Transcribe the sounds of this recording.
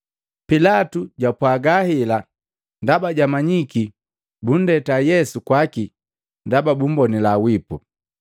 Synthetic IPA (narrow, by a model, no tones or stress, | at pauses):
pilatuɟapwaɡahila | ndabaɟamaɲiki | bun̩dɛtajɛsukwaki | ndababum̩bɔnilawipu